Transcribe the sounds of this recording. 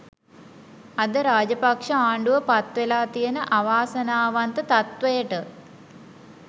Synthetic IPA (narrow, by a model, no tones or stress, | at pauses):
ad̪əɾaːd͡ʒɐpakʂəaːɳɖuʋəpat̪ʋelaːt̪ijənəʔaʋaːsɐnaːʋant̪ət̪at̪ʋəjəʈə